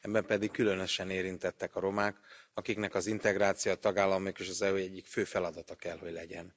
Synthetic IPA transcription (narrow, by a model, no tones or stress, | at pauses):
ɛbːɛmpɛd̪ikːylø̞nø̞ʃɛneːɾint̪ɛt̪ːɛkɒɾo̞maːkɒkiknɛkɒzint̪ɛɡɾaːt̪sijɒt̪ɒɡaːlːɒmikeʃɒzɛuɛɟːikføːfɛlɒd̪ɒt̪ɒkɛlho̞ɟlɛɟɛn